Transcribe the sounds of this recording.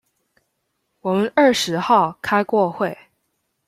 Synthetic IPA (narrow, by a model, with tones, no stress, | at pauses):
wɔ˨˩mə˦nə˞˥˩ʂɻ̩˧˥xɑ˥˩ʊkʰa˥ɪkwɔ˥˧xwe˥˩ɪ